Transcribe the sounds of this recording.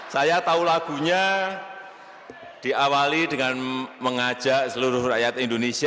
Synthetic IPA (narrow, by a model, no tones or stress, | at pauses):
sajat̪aulaɡ̥ṳɲa | d̥i̤ʔawalidəŋanməŋḁd͡ʒ̥a̤ʔsəluɾʊhrajat̪indonesi